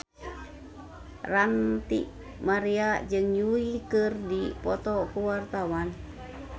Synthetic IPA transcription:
rant̪ḭʔ | maɾiad͡ʒɨŋɲuikɨrdipɔt̪ɔkuwart̪awan

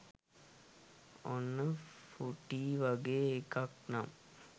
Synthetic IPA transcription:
onːəfuʈiʋɐɡeːekɐknam

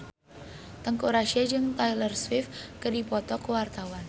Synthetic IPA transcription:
t̪əŋkuɾaʃiad͡ʒɨŋt̪ajlərswɪfkədipɔt̪ɔkəwart̪awan

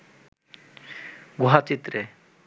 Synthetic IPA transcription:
ɡuɦat͡ʃit̪ɾe

